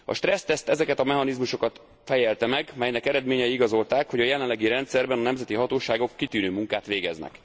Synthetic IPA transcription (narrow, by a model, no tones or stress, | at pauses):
ɒ̰ʃt̪rɛst̪ɛst̪ɛzɛkɛt̪ɒmɛɦɒnizmuʃo̞kɒt̪ | fɛjɛlt̪ɛmɛɡmɛjnɛkɛɾɛd̪meːɲɛjiiɡɒzo̞lt̪aːkho̞ɟɒjɛlɛnlːɛɡiɾɛnt̪sɛrbɛnɒnɛmzɛt̪iɦɒt̪oːʃaːɡo̞kːit̪yːnøːmuŋkaːt̪ʋeːɡɛznɛ̰k